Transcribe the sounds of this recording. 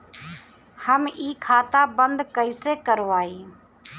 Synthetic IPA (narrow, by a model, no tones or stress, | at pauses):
həmiːkʰaːt̪aːbənd̪kəiːseːkəɾoːaːiː